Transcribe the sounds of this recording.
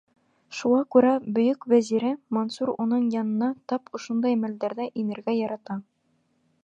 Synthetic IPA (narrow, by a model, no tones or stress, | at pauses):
ʃuʁɑkʉɾæbɵ̆jɵkvæziɾɘmonsuɾunɤɴjɑnɤ̆nɑt̪ɑpŏʃond̪ɑjmæld̪æɾðæʔinɘ̆ɾɡæjɑɾɑt̪ɑ